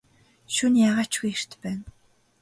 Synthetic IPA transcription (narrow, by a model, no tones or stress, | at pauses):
ʃunjaʁaːt͡ɕɡujer̥t̪pːæːn